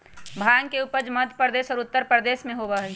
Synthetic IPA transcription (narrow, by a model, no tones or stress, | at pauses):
bʱaːjəŋkeuːpəd͡ʒməd̪ʱpɾd̪eːsɔːɾʊt̪ːəɾpɾəd̪eːsmẽɦoːbaɦɛ